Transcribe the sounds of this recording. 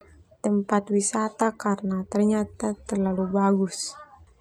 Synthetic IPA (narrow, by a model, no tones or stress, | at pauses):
t̪əmpat̪wisat̪akarənat̪ərɲat̪at̪ərlalubaɡʊs